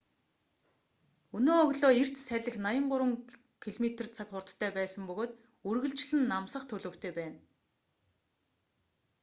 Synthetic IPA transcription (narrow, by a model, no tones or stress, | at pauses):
ɵnoːɔɣɮoːir̥t͡ɕ̪sæɮʲɘ̆xnajə̆ɴɢʊɾwə̆ŋ | kʰiɮmet̪ĕrt͡sʰakχʊrt̪ʰːæːpæːsə̆mpɵɣoːt̪ | ɵrɣɘ̆ɮt͡ɕɮɘ̆nːamsə̆χt̪ʰɵɮoːw̥t̪ʰeːpæːn